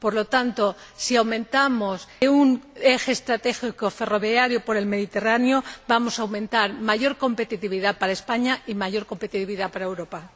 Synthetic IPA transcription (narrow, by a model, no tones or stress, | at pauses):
po̞ɾlo̞t̪ant̪o̞ | siawmẽ̞nt̪amo̞suŋe̞xeːst̪ɾat̪e̞xikofe̞ro̞βjaɾjopoɾe̞lme̞ðit̪e̞ranjobamo̞sawmẽ̞nt̪aɾmaʝo̞ɾko̞mpe̞t̪it̪iβiðapaɾaespaɲaimaʝo̞ɾko̞mpe̞t̪it̪iβiðapaɾaewɾo̞pa